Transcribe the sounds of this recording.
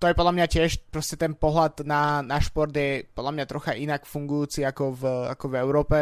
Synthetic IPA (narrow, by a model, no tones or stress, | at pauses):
t̪ɔjɛpɔd̪lamɲacɪɛʃpɾɔscɛt̪ɛnpɔɦlad̪nanaʃpɔɾd̪jɛpɔd̪lamɲat̪ɾɔxaʔinakfuŋɡujuːt͡siakɔva̰kɔvɛʊɾɔːpɛ